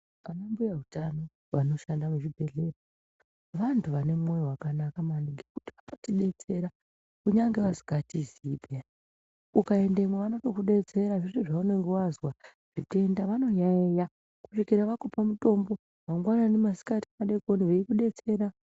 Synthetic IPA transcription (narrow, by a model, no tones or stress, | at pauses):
anambujautano̞ | ʋano̞ʃandamuʐibʱe̞ɮe̞ro | ʋantʰuʋane̞muŋewakanakamaniŋɡekutiʋakatiɗe̞t͡se̞ɾa | kuɲaŋɡe̞ʋasi̥katizibʱja | ukae̞nde̞mwaʋano̞to̞kuɗe̞t͡se̞ɾaʐiʐiʐaune̞ŋɡewazwa | ʐ̥ite̞ndaʋano̞jaeja | ku̥ʂikiɾaʋakopamuto̞mbo̞ | ʋaŋɡwananemasi̥katimaɗe̞ko̞niʋeikuɗe̞t͡se̞ɾa